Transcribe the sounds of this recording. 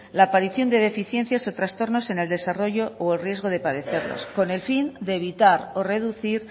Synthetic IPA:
laːpaɾiθjond̪e̞ð̞e̞fiθjẽ̞n̟θjaso̞t̪ɾast̪o̞ɾno̞se̞ne̞ld̪e̞saro̞ʝo̞ʔoelrje̞zɣ̞o̞ð̞e̞paðe̞θe̞ɾlo̰sko̞ne̞lfind̪e̞ːβit̪aɾo̞re̞ðuθiɾ

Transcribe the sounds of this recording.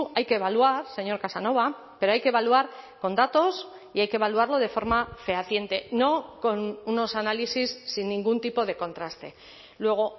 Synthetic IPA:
ajke̞ːβ̞aluaɾse̞ɲo̞ɾkasano̞β̞a | pe̞ɾo̞ajkeβaluaɾko̞nd̪at̪o̞s | iajkeβ̞aluaɾlo̞ð̞e̞fo̞ɾmafeaθje̞nt̪e̞no̞ko̞nuno̞sanalisisːinːĩŋɡunt̪ipo̞ð̞e̞kõ̞nt̪ɾast̪e̞ | lwe̞ɣ̞o̞

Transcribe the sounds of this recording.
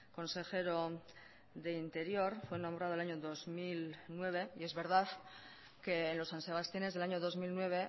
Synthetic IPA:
ko̞nse̞xe̞ɾo̞ | ðe̞int̪e̞ɾjo̞ɾfwe̞nõmbɾaðolaɲo̞ðo̞zmilnwe̞β̞e̞ie̞zβe̞ɾð̞að | ke̞ːnlo̞sːanse̞β̞ast̪jine̞zðelaɲo̞ðo̞zmilnwe̞β̞e̞

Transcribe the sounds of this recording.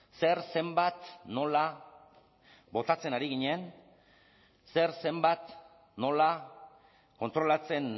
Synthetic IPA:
se̞ɾse̞mbat̪no̞la | bo̞t̪at͡se̞naɾiɣ̞iɲen | se̞ɾse̞mbat̪ | no̞la | ko̞nt̪ɾo̞lat͡se̞n

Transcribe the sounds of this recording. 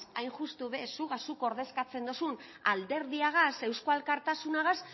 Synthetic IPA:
ajnʝust̪uβesuɣasuko̞ɾðe̞skat͡se̞nd̪osun | ald̪e̞ɾðiaɣase̞wskoalkaɾt̪asunaɣas

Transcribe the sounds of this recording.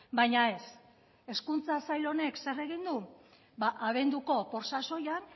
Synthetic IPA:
bajɲae̞s | e̞skunt͡sasajlo̞ne̞kse̞re̞ɣind̪u | baʔaβ̞e̞nd̪uko̞po̞ɾsaso̞jan

